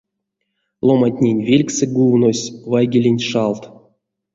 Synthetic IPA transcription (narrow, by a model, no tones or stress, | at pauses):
lˠomat̪ʲnʲenʲvʲelʲksɨɡuwnosʲvajɡʲelʲenʲʂɑlˠt̪